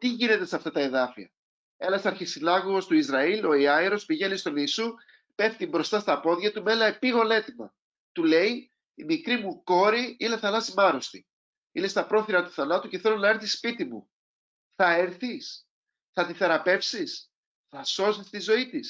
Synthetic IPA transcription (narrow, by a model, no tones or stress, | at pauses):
t̪iʝine̞t̪e̞sɐft̪ɐt̪ɐe̞ðɐfiɐ̰ | e̞nɐsɐɾçisinɐɣoost̪uizɾɐilo̞iɐiɾo̞spiʝe̞nist̪o̞niːsu | pe̞ft̪imbɾo̞st̪ɐst̪ɐpo̞ðʝɐt̪umelɐepiɣo̞le̞t̪imɐ̰ | t̪ule̞i | imikɾimuko̞ɾiile̞θɐlɐsimɐɾost̪i | ile̞st̪ɐpɾo̞θiɾɐt̪u̥θɐnɐt̪uceθe̞lonɐɾθispit̪imṵ | θɐeɾθis | θɐt̪iθe̞ɾɐpe̞fsis | θɐso̞sist̪izo̞it̪is